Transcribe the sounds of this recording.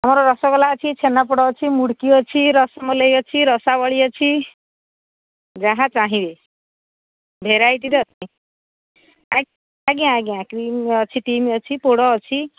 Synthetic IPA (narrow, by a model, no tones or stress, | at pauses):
ɦʌmɾoɾʌsɔkɔlaʌt͡sʰit͡sʰenːapoɽɔːt͡sʰimuɽkiʌt͡sʰiɾʌsɔmʌlejʌt͡sʰiɾʌsawʌɭiʌt͡sʰi | d͡zaɦãt͡saɦĩbe | bʱeɾajt̪iɾʌt͡sʰi | a | aɡiãɡiãkɾimʌt͡sʰiʈimiʌt͡sʰipoɽɔːt͡sʰi